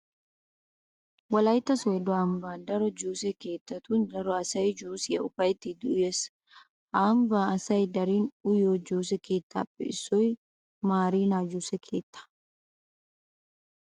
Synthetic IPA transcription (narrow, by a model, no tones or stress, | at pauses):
wɐlɐjt̪ːɐsɔɛd̪ɔaːmbaːd̪ɐɾɔd͡ʒuːsɛke̞ːt̪ːɐt̪uːnd̪ɐɾɔɐsɐjd͡ʒuːsɪɐʊfɐjt̪ːid̪ʊʊjes | ʔaːmbaːɐsɐjd̪ɐɾiːnʊjoːd͡ʒuːs̬ɛke̞ːt̪ːa̰ːpʼːɛ̰ɪsɔj | maːɾiːnaːd͡ʒuːsɛkʰeːt̪ːɐ̥